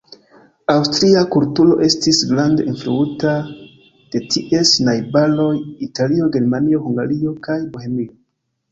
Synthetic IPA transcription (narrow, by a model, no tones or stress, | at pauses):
awstɾiakultulo̞̰ʔe̞stisɡlande̞influuta | d̥e̞tʰiʔe̞snajbalo̞jitalio̞ɡe̞ɾmanio̞huŋɡaɾio̞kajbohe̞mio̞